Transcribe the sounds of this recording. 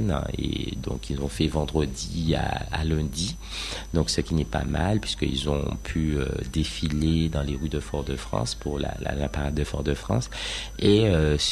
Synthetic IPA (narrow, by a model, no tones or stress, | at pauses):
nḛd̪ɔ̰̃kilzɔ̃fɛvɑ̃d̪ʁəd̪ia̰ːlɛ̃d̪i | d̪ɔ̃ksəkʲinɛpa̰malpɥiskəḭlzɔ̃pʰyød̪efiled̪ɑ̃leʁyd̪əfɔʁd̪əfχɑ̰̃spuʁla̰la̰lapaʁad̪ːəfɔʁd̪əfχɑ̰̃s | eøs